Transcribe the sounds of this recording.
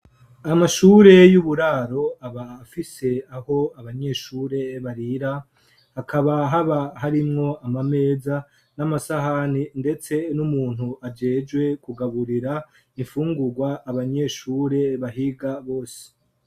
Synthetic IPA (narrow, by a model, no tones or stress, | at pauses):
amaʃuːɾe̞juβuɾaːɾo̞aβaːfise̞aho̞aβaɲe̞ːʃuːɾe̞βaɾiɾa | hakʰaβaɦaβaɦaɾimŋo̞ʔamame̞ːza | namasaɦaninde̞t͡se̞numuːn̥huʔad͡ʒe̞ːd͡ʒɡwe̞kuɡaβuɾiɾa | iɱfuːŋɡuɡwaːβaɲe̞ʃuːɾe̞βaɦiɡaβo̞ːse̥